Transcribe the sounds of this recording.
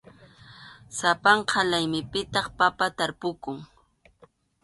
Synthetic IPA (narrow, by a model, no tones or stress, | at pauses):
sapaɴqʰalajmɪpɪt̪ɑχpapat̪aɾpʊkʊŋ